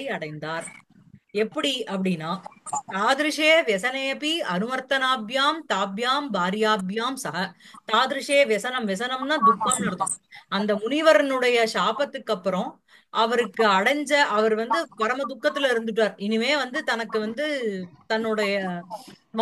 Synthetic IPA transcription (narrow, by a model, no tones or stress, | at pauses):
ɪɐɽɐɪnd̪aːɾ | ɛpːɐɽiʔɐpːɐɽɪnːaːt̪aːðɪɾɪʂeːʋjɛsɐnepiɐnɯmɐɾt̪ɐnaːbjaːmt̪aːbjaːmbaːɾɪjaːbjaːmsɐɦɐt̪aːðɪɾɯʂeːʋjɛsɐnɐmʋɛsɐnɐmnaːd̪ʊkːaːmnɐɽɐt̪ɯ̃ɐnd̪ɐmʊnɪʋɐɾɐnɯɽɐjɐʂaːpɐt̪ːɯkːɐpːɯɾõ | ʔɐʋɐɾɯkːɯɐɽɐɲd͡ʒɐʔɐʋɐɾʋɐnd̪ɯpɐɾɐmɐd̪ʊkːɐt̪ːɪlɐɪɾɯnd̪ɯʈ̬ːʋaːɾɪnːɯmeːʋɐnd̪ɯt̪ɐnɐkːɯʋɐnd̪ɯt̪ɐnːɯɽɐjɐ